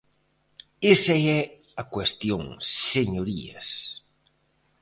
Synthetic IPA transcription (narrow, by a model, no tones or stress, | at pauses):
esɐɛ | ɐkwest̪joŋseɲoɾḭɐ̰s